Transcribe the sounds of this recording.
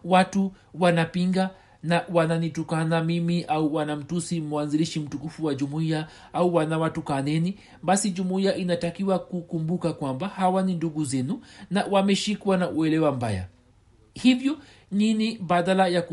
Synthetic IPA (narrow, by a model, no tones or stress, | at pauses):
watu | wanapiŋɡa | nawananitukanamimiʔauwanam̩tusimuanziliʃim̩tukufuwaʄumuia | auwanawatukanɛni | basid͡ʒumuiaʔinatakiwakukumbukakwambahawaninduɡuzɛnunawamɛʃikwanaʔuɛlɛwamba̰ja̰ | hivjɔ | niniɓaðalajak